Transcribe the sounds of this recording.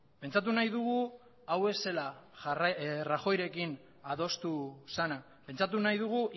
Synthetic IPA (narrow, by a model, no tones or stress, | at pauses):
pe̞nt͡sat̪̬unajðuɣ̞u | awe̞se̞larraxo̞jɾe̞kin | aðo̞st̪usana | pe̞nt͡sat̪unajðuɣ̞u